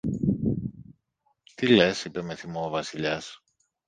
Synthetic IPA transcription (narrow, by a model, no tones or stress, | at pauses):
t̪ile̞sipe̞me̞θimoːvɐsiʎɐs